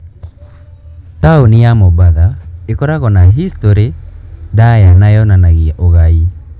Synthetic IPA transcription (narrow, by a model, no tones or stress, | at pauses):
taonijamɔβaðaekɔɾaɣɔnaɦistoɾedajanajɔnanaɣiaʔoɣai